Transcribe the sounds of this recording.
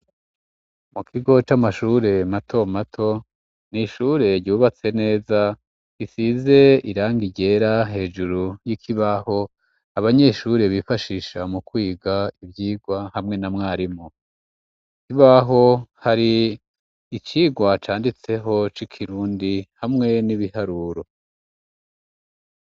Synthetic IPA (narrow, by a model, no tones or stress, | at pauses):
mukʰiɡo̞t͡ʃamaʃuɾe̞matʰo̞matʰo̞ | niʃuɾe̞ɾɟuːβat͡se̞ne̞ːza | kisize̞iɾaːŋɡiɟe̞ɾaɦe̞ːd͡ʒuɾujikʰiβaho̞ | aβaɲe̞ʃuɾe̞βifaʃiːʃamukwiːɡaivjiːɡwahamŋenamŋaːɾimo | kiβaɦo̞haɾiː | t͡ʃiːɡwat͡ʃaːndit͡se̞ɦo̞t͡ʃikʰiɾuːndihamŋe̞niβihaɾuːɾo̞